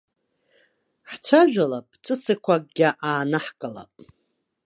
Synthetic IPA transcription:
ħt͡ʃʷʰaʒᶣʷalapʼt͡ʃʷʼɨsɨkʷʰakʼɡ̥ʲaʔaːnɨħkʼɨla̰pʼ

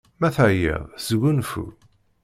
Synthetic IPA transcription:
mæθəjḛðˤzəɡʷunfṵ

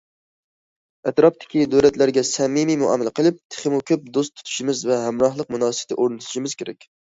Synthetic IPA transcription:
ɛt̪ɾɑft̪ʰɪ̥kʲid̪øɾɛt̪læɾɡʲɛsɛmimimuɑ̰mːælqʰəlˠɨp̚t̪ʰe̥χɪmukʲʰøp̚d̪ost̪ʰu̥t̪ʰu̥ʃimɪzvɛɦæmɾɑhlˠəq̚munɑːsɨb̥t̪ʰɪʔoɾnɨt̪ʰu̥ʃimɪz̥kʲeɾɛ̰kʲ

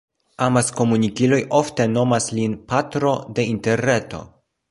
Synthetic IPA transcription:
amasko̞munikilo̞jʔo̞fte̞no̞maslinpatɾo̞de̞inte̞ɾne̞to̞̰

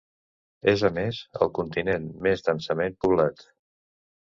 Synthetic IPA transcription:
ezəmezə̰lˠkunt̪inenmezd̪ənsəmenpuβlat̪

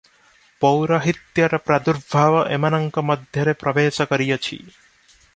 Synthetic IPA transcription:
pɔwɾɔɦit̪jɔɾɔpɾad̪uɾbʱaʋɔʔemanɔŋkɔmɔd̪ʱjɔɾepɾɔbeːsɔkɔɾijɔt͡ʃʰḭ

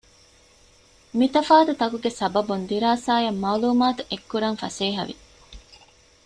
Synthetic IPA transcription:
mit̪ɐfaːt̪ut̪ɐkuɡesɐbɐbund̪iɾaːsaːjɐmːaːluːmaːt̪uʔekːuɾɐŋfɐ̰seːɦɐ̰ʋḭ

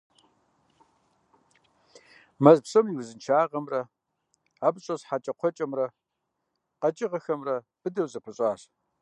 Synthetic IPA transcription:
mɐzpɕɐmiwzɨnt͡ʃʰaːʁɐmrɐ | aːbɕʼɐsħat͡ʃʼɐqʷʰɔt͡ʃʼɐmrɐ | qɐt͡ʃʼɪʁɐxɐmrɐ | b̥ɨdɐwzɐpʰɐɕʼaːʂ

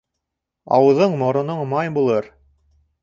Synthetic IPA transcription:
ɑ̰wɤ̆ðɤɴmŏɾŏnoɴmɑjbulˠɤɾ

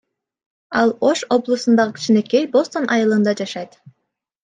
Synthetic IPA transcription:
ɑlˠo̞ʃo̞blˠusund̪ɑʁɯkʰʲi̥t͡ʃinekejbo̞st̪o̞nʔɑjɯlˠɯnd̪ɑd͡ʒɑʃɑjt̪

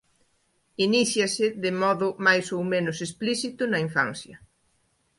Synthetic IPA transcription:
iniθjɐsɪðɪmɔðʊmajsowmẽnʊsesplisit̪ʊnɐiɱfã̰nθjɐ

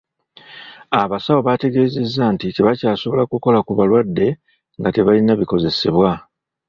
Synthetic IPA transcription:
aβasawoβate̞ɡe̞ːze̞zːantiteβacaːso̞βo̞lakuko̞lakuβalwadːe̞ | ŋɡate̞βalinaβiko̞ze̞se̞βwa

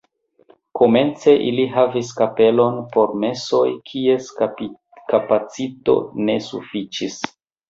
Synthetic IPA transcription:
ko̞me̞nt͡se̞ʔiliɦaviskape̞lo̞npo̞ɾme̞so̞jkʰie̞s | kapat͡sito̞̰ne̞sṵfit͡ʃis

